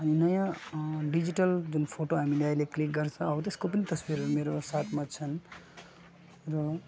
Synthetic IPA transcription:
ʌninʌjãɖid͡ziʈʌld͡zunpʰoʈoɦamileajleklik̚ɡʌrt͡sʰʌ̃ʌbt̪eskopʌnit̪ʌswiɾmeɾosat̪ʰmat͡sʰʌn | ɾo

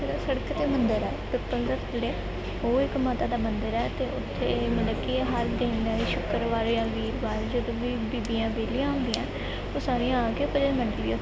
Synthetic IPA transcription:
əɾsəɽəkːt̪eːmənd̪əɾɛːʈʊʈːənkəɾt̪leː | oːɪkmaːt̪aːd̪aːmənd̪əɾɛːt̪eːʔʊt̪ʰːeːmət̪ləbkiɦəɾd̪ẽːnaːiʃʊkəɾʋaːɾjãːʋiːɾʋaːɾd͡ʒəd̪õːʋiːbiːbijãːbeːlijãːʊ̃nd̪ijãː | oːsaːɾĩãaːkeːʊpːəd͡ʒəməɳɖ̪ia

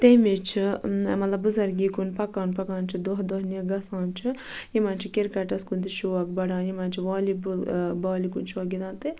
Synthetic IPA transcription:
t̪emit͡ʃʰimɐt̪lɐbuzɐɾɡiːkunpɐkaːnpɐkaːnt͡ʃʰid̪oɦd̪oɦneɡɐsãːnt͡ʃʰi | jimãːnt͡ʃʰikʲiɾkɐʈɐskund̪iʃuɐkbɐɽãːnjimãːnt͡ʃʰiʋaːlibulbaːlikunt͡ʃʰɔɡid̪ãːnt̪ɨ

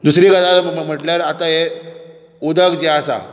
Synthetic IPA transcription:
d̪usɾiɡad̪alm̤əm̤əʈljaɾat̪aɦe | ud̪əkd͡ʑeasa̰

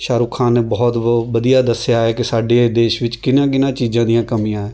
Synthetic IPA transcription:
ʃaːɾuːkʰaːnːeːbɔːt̪ʋəd̪ijaːd̪əsːɪjaːɛːkɪsaːɖeːd̪eːʃʋɪt͡ʃkɪnãːk̬ɪnãːt͡ʃiːzãːd̪ijãːkəmijãːɛː

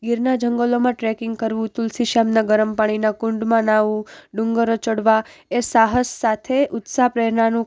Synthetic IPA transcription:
ɡiɾnad͡ʒʱəŋɡəlomãʈɾɛkɪŋɡkəɾʋũt̪ulsiʃamnaɡəɾəmpaɽ̃inãkʊɳɖmãnaʋũɖʊŋɡəɾot͡ʃəɽʋa | esaɦəsːat̪ʰeʔʊt̪sapɾɛɾnanũ

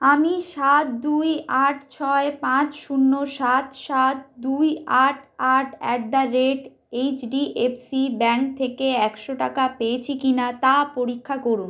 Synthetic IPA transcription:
amiʃat̪̚d̪ujaʈʰt͡ɕʰɔepãt͡ɕʃunːoʃat̪ʃat̪̚d̪ujaʈʰaʈʰɛʈ̚d̪aɾːeʈ | ejt͡ɕɖiʔepsibɛŋk̚t̪ʰekeɛkʃoʈakapeet͡ɕʰikinat̪apoɾikʰːakoɾun

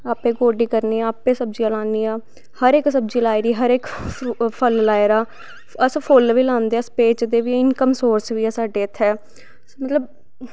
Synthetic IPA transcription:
aːpẽːɡoːɖiːkəɾniːaːaːpẽːsəb̚d͡ʒiaːlãːniːaː | həɾeksəbd͡ʒiːlaːɪɾiːɦəɾekpʰəllaːɪɾaː | əspʰolʋiːlãːnd̪eaːspeːt͡ʃd̪eːʋiːɪnkəmsoːɾsʋiːɛːsaːɖeːət̪ʰːɛː | smət̪ləb

